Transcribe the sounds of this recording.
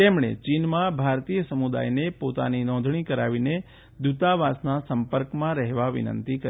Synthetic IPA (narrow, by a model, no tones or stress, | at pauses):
t̪emɳ̃ḛt͡ʃinmãbʱaɾt̪ijəsəmud̪a̰jnepot̪a̰ninɔ̃nd̪ʱɳikəɾaʋine | d̪ut̪aʋasnasəmpəɾkmãɾɛɦʋaʋḭnə̰nt̪ikəɾ